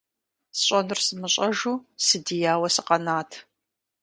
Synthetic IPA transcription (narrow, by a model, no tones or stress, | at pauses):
sɕʼɐnɨrsɨmɨɕʼɐʒuːsɨdijaːwɐsɨqɐnaːtʰ